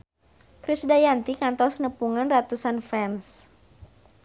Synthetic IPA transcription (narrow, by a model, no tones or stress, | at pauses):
kɾisdajant̪ikant̪ɔsnəpuŋənrat̪usanfɛns